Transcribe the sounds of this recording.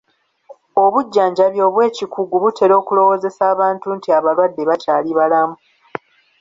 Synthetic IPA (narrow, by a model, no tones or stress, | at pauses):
o̞βuɟːaːɲɟaβjo̞ːβwe̞ːcikʰuɡuβutʰe̞ɾo̞ːkulo̞wo̞ːze̞saːβaːntuntiaβalwadːe̞βatʰaːliβalamu